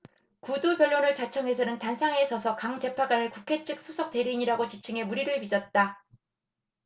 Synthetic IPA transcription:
kudupjʌɭːonɯɭt͡ɕat͡ɕʰʌŋe̞s̬ʰʌnɯntansʰaŋe̞sʰʌsʰʌkaŋd͡ʑe̞pʰaɡanɯɭkukʰe̞t͡ɕʰɯk̚s͈ʰosʰʌk̚t͈e̞ɾiɲiɾaɡot͡ɕit͡ɕʰɯŋe̞muɾiɾɯɭpid͡ʑʌt̚t͈a

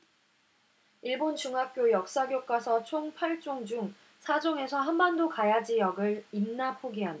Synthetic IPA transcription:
iɭbont͡ɕuŋɦak̚k͈jojʌk̚s͈aɡjok͈asʰʌt͡ɕʰoŋpʰaɭt͡ɕ͈oŋd͡ʑuŋ | sʰad͡ʑoŋe̞sʰʌɦanbʌndokajad͡ʑijʌɡɯɭinːapʰoɡiɦand

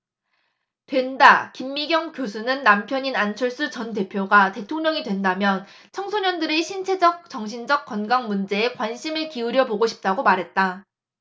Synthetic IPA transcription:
twe̞ndakimːiɡjʌŋkjosʰunɯnːampʰjʌɲinant͡ɕʰʌɭs͈ut͡ɕʌnte̞pʰjoɡate̞tʰoŋɲʌŋidwe̞ndamjʌn | t͡ɕʰʌŋsʰoɲʌndɯɾe̞ɕʰint͡ɕʰe̞d͡ʑʌk̚t͡ɕʌŋɕʰind͡ʑʌk̚k͈ʌnɡaŋmund͡ʑe̞ːkwanɕʰimɯɭkiuɾjʌboɡoɕʰi̥p̚t͈aɡomaɾɦe̞t̚t͈a

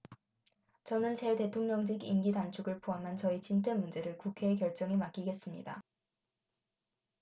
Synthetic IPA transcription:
t͡ɕʌnɯnt͡ɕe̞te̞tʰoŋɲʌŋd͡ʑiɡinɡidant͡ɕʰuɡɯɭpʰoɦamɦant͡ɕʌit͡ɕint͈ʰenmund͡ʑe̞ɾɯɭkukʰe̞ːkjʌɭt͡ɕ͈ʌŋemak͈iɡe̞s͈ɯmɲḭda̰

